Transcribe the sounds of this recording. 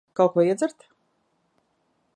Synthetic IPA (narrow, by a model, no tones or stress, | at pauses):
kawkuɔiɛd̪zɛɾt̪